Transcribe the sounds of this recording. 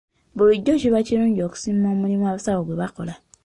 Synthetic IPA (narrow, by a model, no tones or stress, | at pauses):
boɾid͡ʒɔʃebat͡ʃeɾũɔksiɔ̃mũɾĩmũabsaoɡ͡bebakɔla